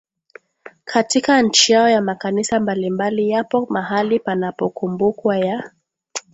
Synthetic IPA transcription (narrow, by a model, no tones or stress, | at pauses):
kʰatikaɲ̩t͡ʃijaɔjamakanisambalimbalijapɔmaɦalipanapɔkumbukwaja